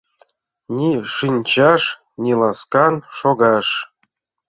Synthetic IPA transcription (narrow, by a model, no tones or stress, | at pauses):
nʲiʂɨnʲt͡ɕɑʂ | nʲilˠɑskɑnʃoɡɑʂ